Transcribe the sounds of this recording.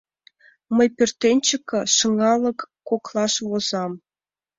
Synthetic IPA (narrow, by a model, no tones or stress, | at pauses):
mə̆jpʲerʲt̪ʲːenʲt͡ɕɘ̆kːɤ̆ʂɤ̆ŋɑlˠɤ̆kːoklˠɑʂʋozɑm